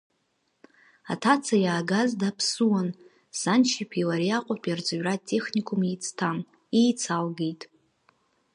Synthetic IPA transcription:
atʰat͡sʰajaːɡazdapʰsuwan | z̥ant͡ʃipʰilaɾijaqʷʼapʼard͡zʼɥratʰʼe̞χnikʰʼumejt͡sʰtʰam | ijt͡sʰalɡejtʼ

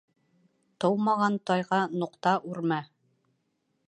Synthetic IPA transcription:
t̪ɤwmɑʁɑnt̪ɑjʁɑnuqt̪ɑʔʉɾmæ

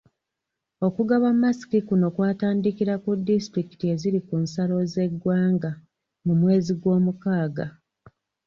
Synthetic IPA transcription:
o̞kuɡaβamːasi̥kikuno̞kwaːtaːndikiɾakudːistɾiki̥tie̞ziɾikunsalo̞ze̞ɡwaːŋɡa | mumwe̞ːziɡwo̞ːmukaːɡa

